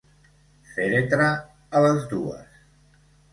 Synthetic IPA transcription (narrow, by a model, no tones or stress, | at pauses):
feɾet̪ɾaː | ləzd̪uə̰s